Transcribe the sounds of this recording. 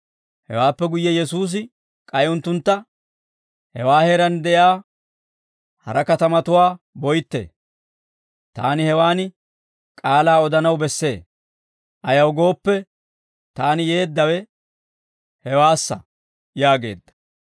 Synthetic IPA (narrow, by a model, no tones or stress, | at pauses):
hɛ̰waːpːɛɡʊjːɛjɛsuːs̬ɪ | kʼɐjʊnt̪ːʊnt̪ːɐ | hɛwaːheɾɐnd̪ɛʔjaː | hɐ̰ɾɐkɐt̪ɐmɐt̪ʊwaː | bɔjt̪ːḛː | t̪a̰ːnɪhɛwaːnɪ | kʼaːlaːɔd̪ɐnɐwbɛsːe̞ː | ʔɐjɐwɡo̞ːpːɛ | t̪aːnɪje̞ːd̪ːɐwɛ | hɛwaːsːɐ | jaːɡe̞̰ːd̪ːɐ̥